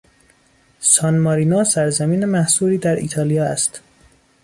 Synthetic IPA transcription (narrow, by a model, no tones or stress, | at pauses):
sɒnmɒːɾiːnɒːsæɾzæmiːnemæhsuːɾiːd̪æɾḭːt̪ʰɒːlijɒːæst̪